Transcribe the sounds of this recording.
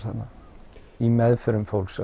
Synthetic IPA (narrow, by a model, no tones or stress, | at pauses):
θa̰nːa | imɛðfœɾʏmfowlsɛ